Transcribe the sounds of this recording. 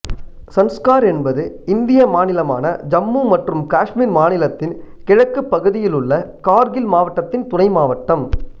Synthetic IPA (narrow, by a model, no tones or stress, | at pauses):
sɐnskaːɾɛnbɐðɯ | ɪnd̪ɪjɐmaːnɪlɐma̰ːnɐd͡ʒɐmːumɐʈrɯmkaːʂmiːɾmaːnɪlɐt̪ːɪnkɪɻɐkːɯpːɐɣɯðɪjɪlɯɭːɐkaːɾɣɪlmaːʋɐʈːɐt̪ːɪnt̪ʊnɐɪmaːʋɐʈːɐm